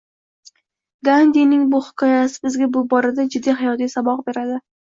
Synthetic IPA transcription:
ɡ̪and̪inɪŋbʊhɪ̥kʰɒjasɪ̥bɪzɡʲabʊbɒɾad̪ad͡ʒɪd̪ːiɦɪjɒt̪ijsabɒq̚be̞ɾad̪ɪ

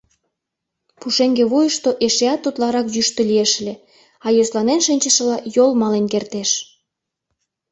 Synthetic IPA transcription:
puʃeŋɡeβujəʃt̪oʔeʃeɑt̪ːut̪lɑɾɑkjyʃt̪ølieʃlʲe | ɑjoslɑnenʃinʲt͡ɕəʃə̆lɑjolmɑlenkert̪eʃ

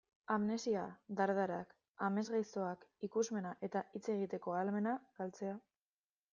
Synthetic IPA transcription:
amne̞siad̪aɾðaɾak | ame̞zɣajso̞akikuzme̞naʔe̞t̪aʔit͡se̞ɣ̞it̪e̞ko̞alme̞naɣ̥alt͡se̞a

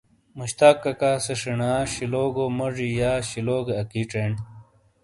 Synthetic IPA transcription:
muɕt̪aːkːɐkaːseʂiɳaːɕiloːɡomɐʐijaːɕiloːɡeɐkiʈ͡ʂeːɳ

